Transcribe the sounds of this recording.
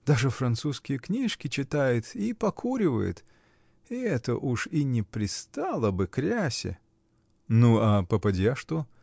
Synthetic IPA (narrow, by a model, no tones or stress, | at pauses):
d̪aʐɨfɾɐnt̪suskʲɪjəknʲiʂkʲɪt͡ɕɪt̪ajʊt̪ipɐkʰuɾʲɪvə̰jʊ̰t̪ | iɛt̪ə̰ʔuʂinʲɪpɾʲɪst̪alˠəbɨkɾʲæsʲɪ̰ | nuapəpɐdʲjaʂt̪o